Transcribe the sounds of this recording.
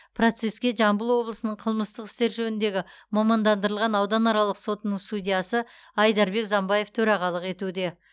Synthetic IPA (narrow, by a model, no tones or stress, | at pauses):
pʰro̞t̪se̞skʲe̞ʒɑmbəlˠwo̞blˠəsənəɴqʰəlˠməst̪əqɪ̥st̪e̞ɾʒɵnɪnd̪e̞ɡʲɪmɑmɑnd̪ɑnd̪əɾəlˠʁɑnɑwd̪ɑnɑɾɑlˠəqso̞t̪ənəɴst̪ud̪ʲijasə | ɑjd̪ɑɾbe̞kzɑmbɑje̞ft̪ʰɵɾɑʁɑlˠəqe̞t̪ud̪e̞